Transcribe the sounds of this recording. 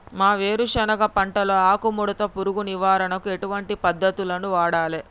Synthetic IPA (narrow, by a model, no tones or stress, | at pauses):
maːʋeːɾuʃɐnɐɡɐpɐɳʈɐlo̞ːaːkumuɽɐt̪ɐpuɾuɡuniʋaːɾɐnɐkue̞ʈuʋɐɳʈipɐd̪ʱːɐt̪ulɐnuʋaːɽaːle